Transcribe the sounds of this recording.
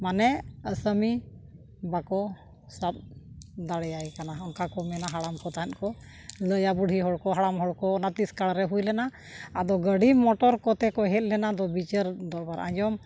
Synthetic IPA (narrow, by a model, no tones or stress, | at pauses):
manɛəsəmi | bakɔ | sap̚d̪aɽɛjajkanaɔnkakɔmɛnaɦaɽamkɔt̪aɦɛt̪̚kɔ | ləjabuɽʱiɦɔɽkɔɦaɽamɦɔɽkɔːnat̪iskaɽɾɛɦujlɛna | ad̪ɔɡəɖimɔʈɔɾkɔt̪ɛkɔɦɛt̪̚lɛnad̪ɔbit͡ʃəɾd̪ɔɾbaɾʔa̰ɲd͡ʒɔm